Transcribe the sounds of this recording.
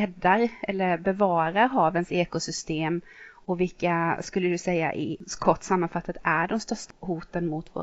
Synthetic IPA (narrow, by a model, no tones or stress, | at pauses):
ɛd̪ːaɾɛlːəɾbɛvɑːɾaɾɦɑːvənseːkʊsʏst̪eːmɔvɪlkaskɵlːəd̪ɵsɛjːa̰ʔɪkʰɔʈːsamːanfat̪ʰːat̪æɖɔmst̪œʂt̪ahuːt̪ənmʊt̪vo̰ː